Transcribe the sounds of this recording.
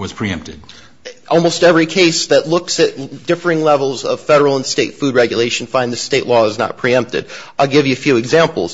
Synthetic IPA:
wʌz̥pʰɹ̥iɛ̰̃mp̚tɨd̥̚ | ʔɔlˠmoʊstɛvɹikʰeɪsðɨtˡlʊksɨt̚d̥ɪfɹɪ̃ŋlɛvl̩ˠzʌ̰v̥fɛɾə˞l̩ˠə̃nsteɪtfʉd̚ɹɛɡjɨleɪʃn̩fãɪ̃nðɨsteɪʔlɔɨznə̰t̚pʰɹ̥iɛ̃mp̚tɨ̰daɪlˠɡɪvjɨɨfjʉɨɡzæ̃mpl̩ˠz̥

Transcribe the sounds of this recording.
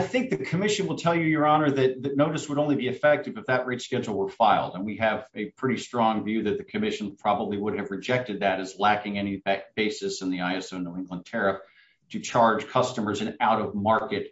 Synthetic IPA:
aɪθɪ̃ŋk̚ðɨkʰɨmɪʃɨ̃nwəlˠtʰɛlˠjɨjə˞ɑnə˞ðɨt̪̚ðɨtⁿnoʊɾɨswəɾõʊ̃nlibiɨfɛk̚tɨvɨfðɨʔ̚ɹeɪtskɛ̃d͡ʒl̩ˠwə˞faɪlˠdə̃nwiɨvɨpʰɹ̥ɪɾistɹ̥ɔ̃ŋvjʉðɨt̪̚ðɨkʰɨmɪʃn̩pʰɹ̥ɑbəbliwʊɾ̚ɨvɹɨd͡ʒɛk̚tɨd̪̚ðɨɾɨzlækɪ̃ŋɛñib̚b̥eɪsɨsɨ̃n̩ðiaɪɛsoʊ̃noʊɪ̃ŋɡlə̃ntʰɛɹɨf | tʰɨt͡ʃʰɑɹd̥ʒ̥kʰʌstɨmə˞zɨ̃naʊɾʌvmɑɹkɨt̚

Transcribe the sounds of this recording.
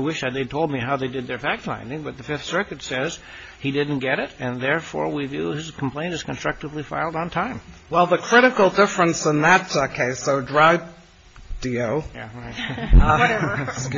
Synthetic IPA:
aɪwɪʃðɨt̪̚ðeɪtʰoʊlˠd̚miɦaʊðeɪdɨd̪̚ðə˞fæk̚tfã̰ɪ̃ndɪ̃ŋbʌt̪̚ðɨfɪfθsɜ˞kɨtsɛz̥ | idɪdⁿn̩ɡ̥ɛɾɪɾɨ̃nðɛɹfɔ̰ɹwivjʉ̰ɪz̥kʰm̩pʰl̥ẽɪ̃ntɨz̥kn̩stɹ̥ʌk̚təvlifa̰ɪlˠdn̩tʰãɪ̃mwɛlˠðəkʰɹ̥ɪɾɨkl̩ˠdɪfɹə̃nsə̃nðətʌkʰeɪsoʊdɹaɪv | d̥ioʊjæ̰aʌɾɛ

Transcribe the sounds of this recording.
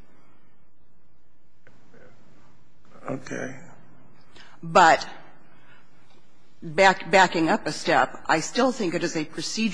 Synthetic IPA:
o̰ʊkʰḛɪ | bʌt̚ | bæb̥ækɪ̃ŋʌpɨstɛpʔa̰ɪstɪlˠθɪ̃ŋkɨɾɨzɨpʰɹ̥ɨsid͡ʒ

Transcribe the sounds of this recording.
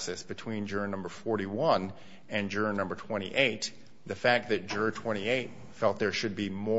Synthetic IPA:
sɛsb̥ɨtʰw̥ĩnd͡ʒɜ˞nʌ̃mbə˞fɔɹɾiwʌ̃n | ɨ̃nd͡ʒə˞nʌ̃mbə˞tʰw̥ɛ̃ɾ̃ḭʔeɪt̪̚ | ðɨfæk̚t̪̚ðɨt̚d̥ʒ̥ə˞tʰw̥ɛ̃ɾ̃ieɪt̚ | fɛlˠt̪̚ðə˞ʃɨd̚bimɔ

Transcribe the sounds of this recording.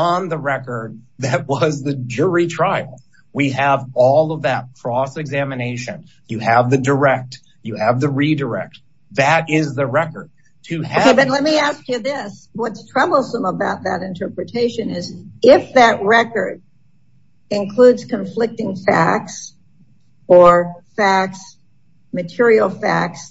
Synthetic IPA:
ə̃nðəɹɛkə˞d̪̚ðɨt̚wʌzðɨd͡ʒʊɹitʰɹ̥aɪl̩ˠ | wiəvɔlˠʌvðɨt̚kʰɹ̥ɔsɨɡzæmɨneɪʃɨ̃n | jɨəvðɨdə˞ɛk̚t | jɨɨvðɨɹidə˞ɛ̰k̚t̚ | ðɨɾɪzðɨɹɛkə˞d̚ | tʰɨoeɪbʌtˡlɛt̚miæskjɨðɪswʌtstʰɹ̥ɛbl̩ˠsə̃məbaʊt̪̚ðɨɾɨ̃ntʰɜ˞pɹɨtʰeɪʃɨ̃nɪzɪfðɨʔ̚ɹɛkə˞d | ɪ̃nkʰl̥udz̥kʰɨ̃ɱflɪk̚tɪ̃ŋfæ̰k̚s | ə˞fæks | mɨtʰɪɹil̩ˠfæ̰ks

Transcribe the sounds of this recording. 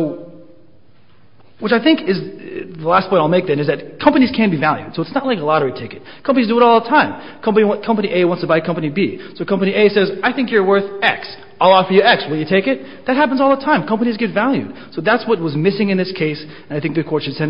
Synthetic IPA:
oʊ | wɨt͡ʃaɪθɪ̃ŋkɪzðəlæstpʰɔ̃ɪɾ̃naɪlˠmeɪk̚ðɨ̃nɨzðɨt̚kʰʌ̃mpɨñiz̥kʰæ̃nb̥ivælˠjʉ̰d̥soʊətsnət̚ˡlaɪkəlɑɾə˞ɨtʰeɪkɨt̚kʰʌ̃mpənizdɨəɾɔlˠðətʰãɪ̃m | kʰʌ̃mpəniwkʰʌ̃mpɨniʔeɪwɑ̃ntstʰəbaɪkʰʌ̃mpɨnibisoʊkʰʌ̃mpɨnieɪsɛzaɪθɪ̃ŋkjə˞wɜ˞θɛ̰ks | aɪlˠɔfə˞jɨɛkswɨlˠjɨtʰeɪkɨt̪̚ | ðɨt̚ɦæpə̃n̩zɔlˠðətʰãɪ̃mkʰʌ̃mpɨñizɡɛtvælˠjʉ̰d̥soʊðætswʌt̚wʌzmɪsɪ̃ŋɨ̃nðɪskʰeɪs | ɨ̃naɪθɪ̃ŋk̚ðɨkʰwɔɹtʃɨd̥sɛ̃n

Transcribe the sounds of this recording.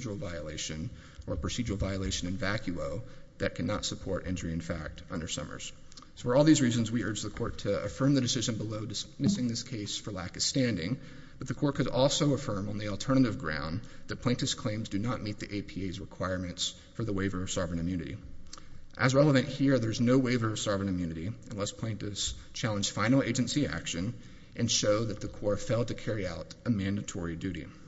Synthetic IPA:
d͡ʒəl̩ˠvaɪɨleɪʃɨ̃n | ʔə̰˞pʰɹ̥ɨsid͡ʒəwl̩ˠvaɪɨleɪʃɨ̃nɨ̃nvækʰjʉoʊðɨt̚kʰænə̰tsəpʰɔɹɾʔɪ̰̃nd͡ʒə˞iɨ̃nfæ̰k̚tʌ̰̃ndə˞sʌ̰mə̰˞z̥ | fə˞ɔlˠðizɹizɨ̃nzwiʔɜ˞d͡ʒðəkʰɔɹtʰɨə̰fɜ̃˞mðɨdɨsɪʒɨ̃nbəloʊdɨsmɪsɪ̃ŋðɪskʰeɪsfə˞lækʌv̥stæ̃ndɪ̰̃ŋ | b̥ʌt̪̚ðɨkʰɔɹt̚kʰɨɾɔlˠsoʊəfɜ̃˞mə̃nðil̩ˠtʰɜ˞nɨɾɨvɡɹã̰ʊ̃nðɨt̚pʰl̥ẽɪ̃ntɨskʰl̥ẽɪ̃mzdɨnət̚mit̪̚ðiʔeɪpʰieɪzɹəkʰw̥aɪɹmɨ̃nts | fə˞ðəweɪvə˞ʌv̥sɑvɹɨ̃nɨ̃mjʉnɨɾḭ | ʔɨzɹɛlˠəvɨ̃nʔhiɹðə˞znoʊweɪvə˞ʌv̥sɑvɹɨ̃nɨ̃mjʉnɨɾiɨ̃nlɛspʰl̥ẽɪ̃ntɨs | t͡ʃʰælˠə̃nd͡ʒ̥ʒ̥fãɪ̃nl̩ˠeɪd͡ʒɨ̃nsiæ̰kʃɨ̃n | ʔɨ̃nʃoʊðɨt̪̚ðɨkʰɔɹfeɪlˠtɨkʰɛɹiaʊɾɨmæ̃ndɨtʰɔɹidʉɾḭ

